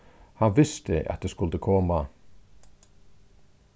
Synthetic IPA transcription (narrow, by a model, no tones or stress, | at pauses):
hɑnʋɪst̪əʔɑ̰t̪̚d̪eːskʉld̪əkʰɔːmɑ